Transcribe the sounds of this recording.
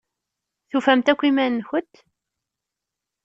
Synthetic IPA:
θufæmt̪ækʷːimænːçət̪ː

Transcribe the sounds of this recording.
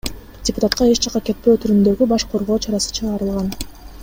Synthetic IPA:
dʲɪpʊ̥t̪at̪̚qɑe̞t͡ʃt͡ʃɑqɑke̞t̪̚pøːt̪ʰyɾynd̪ø̞ɡybɑʃqʰo̞ɾʁo̞ːt͡ʃʰɑɾɑsɯ̥t͡ʃʰɯʁɑːɾɯlˠʁɑn

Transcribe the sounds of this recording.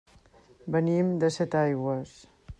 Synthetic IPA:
bənimd̪əsɛt̪ajɣwəs

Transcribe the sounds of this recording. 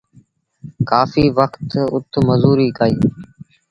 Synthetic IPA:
kaːfiːʋəkt̪ʊt̪ʰməzuːɾiːkaːiː

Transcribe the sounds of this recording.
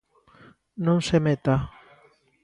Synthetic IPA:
nõŋsemet̪a

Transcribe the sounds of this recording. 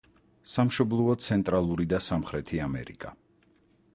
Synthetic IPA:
samʃɔblˠɔɔt̪sʰɛnt̪ʼɾalˠuɾid̪asamχɾɛt̪ʰiamɛ̰ɾḭkʼa

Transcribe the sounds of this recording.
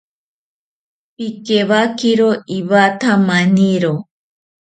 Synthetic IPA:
pikeβakiɾoiβat̪ʰamaniɾo

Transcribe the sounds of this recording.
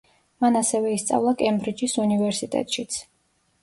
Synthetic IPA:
manasɛvɛist̪sʼa̰vlˠakʼɛmbɾid͡ʒisunivɛɾsit̪ʼɛ̰t̪ʼʃit̪sʰ

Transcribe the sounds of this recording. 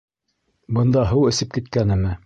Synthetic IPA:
bɤ̆nd̪ɑɦɤwɘ̆sɘp̚kit̪̚kænɘ̆mɘ

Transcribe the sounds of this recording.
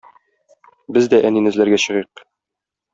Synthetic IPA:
bɘzd̪æʔæninɘ̆zlæɾɡæɕɤ̆ʁiq̚

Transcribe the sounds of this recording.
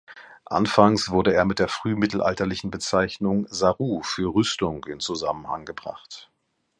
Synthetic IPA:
ʔa̰nfaŋsv̥ʊɐɾəeːɐmɪt̚d̥eːɐfʁ̥yːmɪtl̩ʔa̰ltɐlɪçn̩bət͡saɪçnʊŋzaʁuːfyːɐʁʏstʊŋɪnt͡suza̰mənha̰ŋɡəbʁa̰χt

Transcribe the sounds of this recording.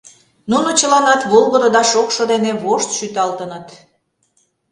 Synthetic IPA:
nunot͡ɕəlɑnɑt̪βolˠɣəd̪ə̆d̪ɑʃokʃŏd̪eneβoʃt̪ʃyt̪ɑlt̪ənət̪

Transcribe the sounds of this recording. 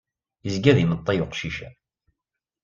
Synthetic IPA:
əzɡæðimət̪ˤːɑjʊqʃiʃæ

